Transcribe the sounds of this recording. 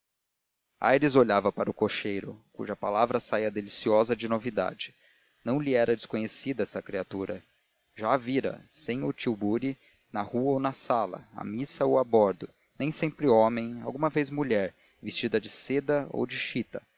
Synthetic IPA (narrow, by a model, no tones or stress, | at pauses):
a̰jɾɪzoʎavɐpaɾʊkoʃejɾʊ̰kṵʒɐpalavɾɐsaiɐd̪elisiɔzɐd͡ʒɪnovid̪a̰d͡ʒɪ̥ | nɐ̃w̃liɛɾɐd͡ʒɪskõɲesid̪ɐɛsɐkɾiat̪uɾɐ̰ | ʒaviɾɐ̰sẽj̃ʊt͡ʃiwbuɾi | nɐhuɐownɐsalɐ̰a̰misɐowabɔɾd̪ʊ | nẽj̃sẽmpɾɪõmẽj̃a̰wɡũmɐvezmuʎɛɾ | vist͡ʃid̪ɐd͡ʒɪsed̪ɐo̰wd͡ʒɪʃit̪ɐ